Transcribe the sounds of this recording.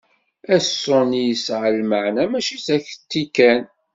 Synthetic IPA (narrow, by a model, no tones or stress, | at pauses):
æsːʊnijəsʕəlməʕnæmæʃisæçt̪ːikæn